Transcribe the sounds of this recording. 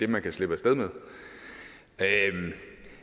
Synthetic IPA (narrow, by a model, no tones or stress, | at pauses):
d̥e̝mænkʰæsle̝b̥əsd̥eð̞ˠmeðˠ | øm